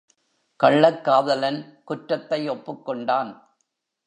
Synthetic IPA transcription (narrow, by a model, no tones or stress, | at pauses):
kɐɭːɐkːaːðɐlɐnkʊʈɾɐt̪ːɐɪɔpːɯkːɔɳɖaːn